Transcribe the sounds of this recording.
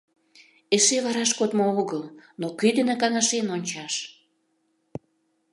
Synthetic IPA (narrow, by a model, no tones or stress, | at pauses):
eʃeβɑɾɑʃkot̪mooɣəlnokøjd̪ə̆nĕkɑnɑʃenonʲt͡ɕɑʃ